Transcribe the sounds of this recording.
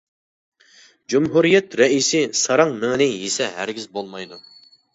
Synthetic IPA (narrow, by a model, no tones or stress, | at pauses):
d͡ʒumɦuɾijɛt̪ɾɛisɪsɑɾɑŋmɪŋɪnɪjesɛɦæ̰ɾɡʲizbolˠmɑjd̪u